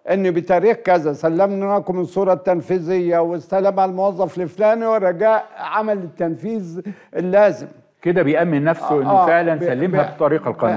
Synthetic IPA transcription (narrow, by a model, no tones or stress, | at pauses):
ʔɪnːibɪt̪ɑːɾiːxkæzæsælːamnakʊmɪnsˤuːɾˤɑt̪ːanfiːzɪjːawɪst̪alːamʕallmowɑzˤːɑflɪflaːmiwɪrˤːɑɡaːʔʕamælɪt̪ːanfiːzʔɪlːaːzɪm | ked̪æbejʔæmːɪnːæfsʊʔɪnæːfeʕlænsælːemhæbi̥t̪ˤɑɾiːqɑlqɑ